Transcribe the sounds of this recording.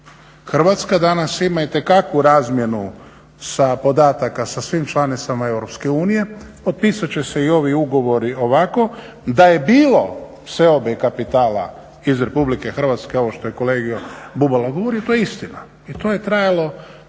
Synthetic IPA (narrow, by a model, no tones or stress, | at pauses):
xr̩ʋat̪skad̪anasimait̪e̞kakʋuɾaːzmje̞nu | sapo̞d̪aːt̪akasasʋimt͡ʃlˠanit̪samae̞wɾo̞pske̞uːnije̞ | po̞t̪̚piːsat͡ɕe̞se̞io̞ʋiuɡo̞ʋo̞ɾio̞ʋako̞ | d̪aje̞biːlo̞fsʋe̞o̞bekapit̪aːla̰ | izɾe̞publike̞xr̩ʋat̪ske̞o̞ʋoʃt̪o̞jeko̞le̞ːɡijobubalaɡo̞ʋoɾijot̪ojeist̪ina | it̪o̞je̞t̪ɾajalo̞